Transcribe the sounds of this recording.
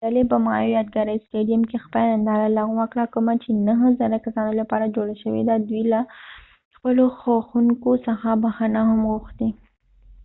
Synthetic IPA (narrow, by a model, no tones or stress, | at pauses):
alebamɑ̰jojɑd̪̚ɡaɾəjsʈeɖijamkexpəlaand̪ɑzalaɣwakɽakəmat͡ʃenaɦzaɾakasɑnolapɑɾad͡ʒoɽaʃəwḛd̪ad̪wila | xpəloxaxuŋkosəxabaxanaɦamɣuxt̪i